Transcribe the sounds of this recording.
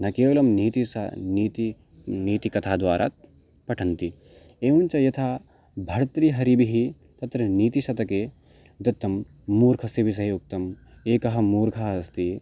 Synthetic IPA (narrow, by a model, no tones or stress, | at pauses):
nɐkeːʋɐlɐmniːt̪isniːt̪i | niːt̪ikɐt̪ʰaːd̪ʋaːɾʔa̰ːt̪̚ | pɐʈʰɐnt̪i | eːunʲt͡ʃɐjɐt̪ʰaː | bʱɐɽt̪ɾiɦɐɾibiɦi | t̪ɐt̪ɾɐniːt̪iʃɐt̪ɐkeː | d̪ɐt̪ːɐmː | uːɾkʰɐsebʱis̬ɐɦjuk̚t̪ɐm | eːkɐɦɐ̆muːɾkʰɐɦɐɐst̪i